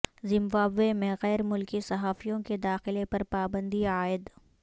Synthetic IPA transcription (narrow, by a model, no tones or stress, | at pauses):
zɪ̃mbaːbemẽɣɛːɾmʊlkisɐɦaːfijõked̪aːxɪlepɐɾpaːbə̃nd̪iaːɪd̪